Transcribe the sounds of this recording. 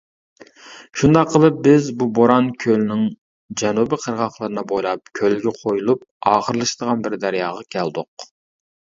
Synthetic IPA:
ʃund̪ɑqʰːəlˠɨp̚bɪzbuboɾɑnkʲʰølnɪŋ | d͡ʒɛnubɪqʰəɾʁɑχlˠɨɾɨnɨbojlˠɑp̚kʲʰølɡʲɛqʰojulˠup̚ | ɑːχəɾlˠɨʃd̪əʁɑnbɪɾd̪æɾjɑːʁɑkʲʰæld̪ʊq̚

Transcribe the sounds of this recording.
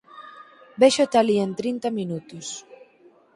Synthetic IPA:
beʃot̪alient̪ɾint̪aminut̪ʊs

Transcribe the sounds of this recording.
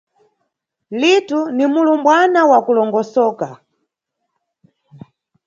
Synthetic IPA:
litunimulumbwanawakulɔŋɡɔsɔːka

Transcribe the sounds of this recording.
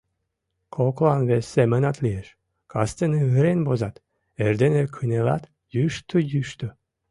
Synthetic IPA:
kʰoklˠɑnvɛsemenɑt̪lijeʃ | kʰɑst̪ɨnɨɯɾenʲbozɑt̪ | eɾd̪enekʰɯnelɑ̰t̪ | jyʃt̪ʰujyʃt̪u

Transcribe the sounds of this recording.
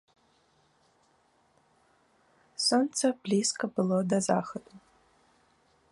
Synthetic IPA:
sont͡sʰɐbliskʰɐbɨlˠodaza̰ːxɐtʼu

